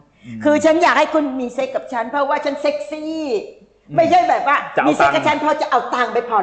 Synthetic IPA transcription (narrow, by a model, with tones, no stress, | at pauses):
kʰɯː˧t͡ɕʰa˦˥njaː˨˩k̚ha˥˩jkʰu˧nmiː˧se˦˥kːa˨˩p̚t͡ɕʰa˦˥npʰɾɔ˦˥waː˥˩t͡ɕʰa˦˥nse˦˥k̚siː˥˩ | ma˥˩jt͡ɕʰa˥˩jbɛː˨˩p̚waː˥˩˧mi˧se˦˥˩kːa˨˩t͡ɕʰa˦˥npʰɾɔ˦˥t͡ɕa˨˩ʔa˧wt̪aː˨˩ŋpa˧jpʰɔ˧˩